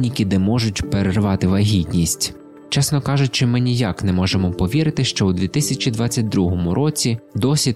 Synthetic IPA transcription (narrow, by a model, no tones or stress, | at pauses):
nʲikʲid̪ɛmɔʒʊtʲpeɾerʋɑt̪ɪʋɐɦʲid̪ʲnʲisʲtʲ | t͡ʃɛsnɔkɑʒʊtʲt͡ʃɪmɪnʲijaknɛmɔʒemɔpɔʋʲiɾɪt̪ɪʃt͡ʃɔwd̪ʋʲit̪ɪsʲɐt͡ʃʲid̪ʋɑt͡sʲːɐt̚ʲd̪ɾuɦɔmʊɾʔɔt͡sʲid̪ɔsʲi